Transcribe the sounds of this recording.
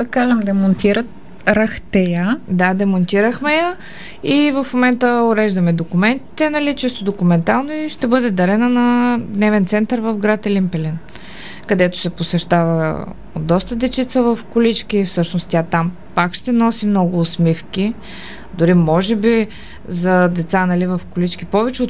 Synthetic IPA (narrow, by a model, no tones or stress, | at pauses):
d̪ɐkaʒəmd̪ɛmont̪iɾət̪̚ | ɾɐxt̪ɛjəd̪ad̪ɛmont̪iɾəxmɛjə | ivɐfmomɛnt̪əoɾɛʒd̪əmɛd̪okʊmɛnt̪i̥t̪ɛnɐlit͡ʃɛst̪od̪okʊmɛnt̪alˠnoiʃt̪ɛbɤd̪ɛd̪ɐɾɛnənɐd̪nɛvɛnt̪sɛnt̪əɾvɐfɡɾat̪ɛlimpɛlin | kɐd̪ɛt̪o̥sɛposɛʃt̪avə | o̰d̪ːɔst̪əd̪ɛt͡ʃit̪səvɐfkʊlit͡ʃkʲifsɤʃnost̪t̪ʲat̪am | pakʃt̪ɛnɔsimnɔɡʊːsmifki | d̪ʊɾimɔʒɛbi | zɐd̪ɛt̪sanɐlivɐfkʊlit͡ʃkipɔvɛt͡ʃɛot̪